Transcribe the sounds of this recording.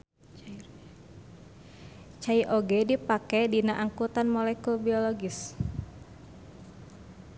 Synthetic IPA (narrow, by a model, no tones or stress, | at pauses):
t͡ʃaiʔoɡɛdipakɛdinaʔaŋkut̪anmɔlɛkubiɔlɔɡis